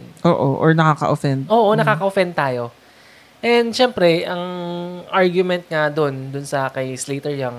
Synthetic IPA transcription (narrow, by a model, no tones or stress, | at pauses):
ʔoːʔoʔoɹnɐkakɐ̰ʔofɛnd̪̚ʔo̞ːʔonɐkaːkɐʔofɛnd̪̚t̪aːjo̞ | ʔɛnd̪ʃɛmpɾɛʔɐŋʔaɹɡjʊmɛnt̪̚ŋad̪ond̪ʊnsɐkɐjsleːt̪ɛɹjaŋ